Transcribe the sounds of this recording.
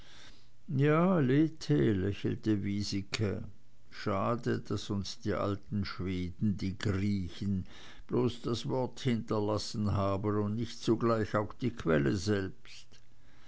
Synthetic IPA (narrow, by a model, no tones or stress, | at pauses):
jaːleːtʰelɛçl̩təviːzɪkʰə | ʃaːdəd̥asʊnsd̥iːʔa̰ltn̩ʃv̥eːdn̩diːɡʁiːçən̩ | b̥loːsd̥asv̥ɔɐthɪntɐlasn̩ɦaːbənʊndnɪçtt͡suɡlaɪçaʊxd̥iːkʰv̥ɛləzɛlpst